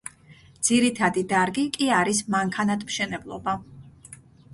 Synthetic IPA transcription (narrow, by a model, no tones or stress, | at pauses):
d̪z̥iɾit̪ʰad̪id̪aɾɡikʼiaɾismaŋkʰanat̪ʰmʃɛnɛblˠɔ̰ba